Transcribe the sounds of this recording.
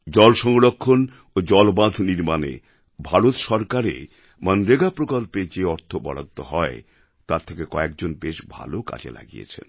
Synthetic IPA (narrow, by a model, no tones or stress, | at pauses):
d͡ʑɔlʃɔŋoɽokʰːon | od͡ʑɔlbad̪ʱniɾmanḛ | bʱaɾot̪ʃɔɾkaɾḛ | mənɾeɡapɾokolped͡ʑeɔɾt̪ʰobɔ̰ɽa̰t̪ːoɦɔe | t̪aɾt̪ʰekekɔekd͡ʑonbeʃbʱa̰loka̰t͡ɕḛla̰ɡḭjḛt͡ɕʰḛn